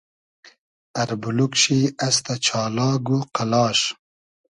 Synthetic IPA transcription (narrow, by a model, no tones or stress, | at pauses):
ɐɾbulukʃiɐst̪ɐt͡ʃʰɑːlɑːɡuqɐlɑːʃ